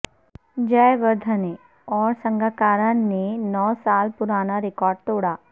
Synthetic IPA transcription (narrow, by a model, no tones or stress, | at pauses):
d͡ʒəjʋəɾd̪ʱəne | ɔːɾsə̃ŋɡʱakaːɾãenɔːsaːlpʊɾaːnaɾɪkɔːɾɖ̚t̪oːɽaː